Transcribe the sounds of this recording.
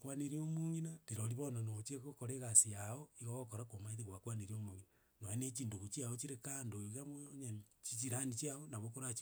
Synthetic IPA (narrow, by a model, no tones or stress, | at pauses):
kwaneɾiomuŋinatiɾoɾiβonanot͡ʃiekokoɾeɣasiaoiɣoɣokoɾakomaiðeɣwakwaneɾiomuŋina | noenet͡ʃiːnduɣut͡ʃiaot͡ʃiɾekandoiɣamooɲet͡ʃit͡ʃiɾanit͡ʃiaonaβokoɾat͡ʃi